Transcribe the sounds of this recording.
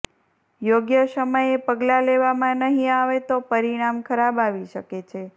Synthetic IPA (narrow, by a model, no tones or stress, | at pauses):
joɡjəsəməjepəɡlaleʋamãnəɦĩaʋet̪opəɾiɽ̃amkʰəɾabaʋiʃəket͡ʃʰe